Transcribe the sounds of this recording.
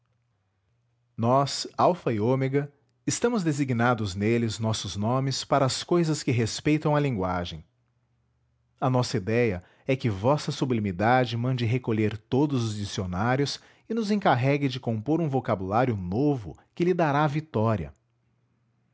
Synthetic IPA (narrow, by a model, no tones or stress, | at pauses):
nɔsawfɐiomeɡɐ | ɪst̪ɐ̃mʊzd̪eziɡnad̪ʊznelɪznɔsʊznõmɪspaɾɐːskojzɐskɪɦespejt̪ɐ̃w̃ɐlĩŋɡwaʒẽj̃ | ɐnɔsɐid̪ɛjɐ | ɛkɪvɔsɐsublimid̪ad͡ʒɪmɐ̃nd͡ʒɪɦekoʎeɾt̪od̪ʊzʊzd͡ʒisionaɾjʊs | ɪnʊzẽkaɦɛɡɪd͡ʒɪkõmpoɾũvokabulaɾjʊnovʊ̰kɪlɪd̪aɾavit̪ɔɾiɐ̰